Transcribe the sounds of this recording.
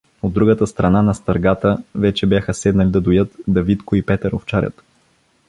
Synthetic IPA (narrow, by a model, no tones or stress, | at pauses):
od̪ːɾuɡət̪əst̪ɾɐnanɐst̪ɐɾɡat̪əvɛt͡ʃɛbjaxəsɛd̪nɐlid̪ɐd̪ojɤt̪d̪ɐvit̪kʊipɛt̪ɛɾo̰ft͡ʃaɾʲə̰t̪